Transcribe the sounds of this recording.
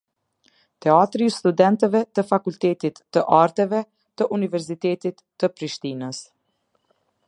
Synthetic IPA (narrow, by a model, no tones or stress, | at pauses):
t̪ɛat̪ɾist̪ud̪ɛnt̪ɛvɛt̪əfakult̪ɛt̪it̪ːəʔaɾt̪ɛvɛ | t̪əʔunivɛɾs̬it̪ɛt̪it̪ːəpɾiʃt̪inəs